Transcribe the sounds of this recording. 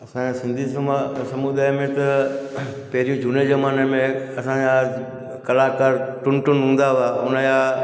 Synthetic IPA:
ɐsãasɪ̃nd̪ʱissɐmud̪aːjmẽt̪ɐ | pɐɦɪɾijũd͡ʑuːnezɐmaːnemẽɐsãd͡ʑã | kɐlakəɾʈʊnʈʊnɦũːn̆d̪aʋaʊnəja

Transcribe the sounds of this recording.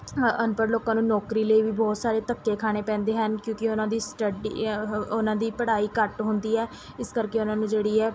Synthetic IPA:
ənpəɾloːkãːnũːnɔːkɾiːləiːʋiːbɔːt̪saːɾeːt̪əkːeːkʰaːɽ̃eːpɛ̃ːnd̪eːɦənkjõːkɪʊnãːd̪iːsʈəɖḭʊnãːd̪iːpəɽaːiːkəʈɦʊnd̪iːɛː | ɪskəɾkeːʊnãːnũːd͡ʒeːɽiːɛː

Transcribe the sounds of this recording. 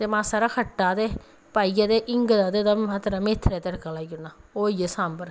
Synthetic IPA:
t̪eːmãːsaːɾaːkʰəʈːaːd̪eː | paːiːad̪eːʔɪŋɡd̪aːd̪eːd̪aat̪ɾaːmeːt̪ʰːɾɛːt̪eɽkaːlaːiɡʊnːaːoːijesãːmbəɾ

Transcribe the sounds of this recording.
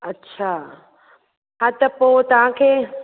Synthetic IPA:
ɐtːɕʰa | ɦat̪ɐpot̪ɐʋ̤ãkʰeː

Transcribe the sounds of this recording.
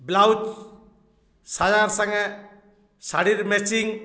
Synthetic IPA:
blawd͡ʒ | sajaɾsaŋe | saɾiɾmesiŋ

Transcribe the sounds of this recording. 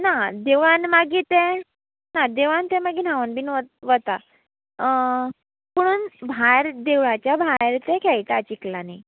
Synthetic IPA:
nad̪eʋanmaɡit̪ɛ̃ | nad̪eʋant̪ɛmaɡiːnaʋənbʱinʋəʋət̪a | pəɽ̃uːnbʱajɾd̪eʋɭat͡ɕjabʱajɾt̪ɛ̃kʰɛjt̪at͡ɕiklani

